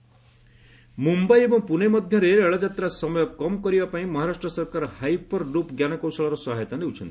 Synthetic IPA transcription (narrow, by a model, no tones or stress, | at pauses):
mumbajebɔŋpunemɔd̪ʱjɔɾeɾeɭɔd͡ʒat̪ɾasɔmɔjɔkɔmkɔɾibapaĩmɔɦaɾasʈɾɔsɔɾkaɾɔhajpɔɾɖupɡjanɔkɔwsɔɭɔɾɔsɔɦajt̪aleut͡ʃʰɔnt̪i̥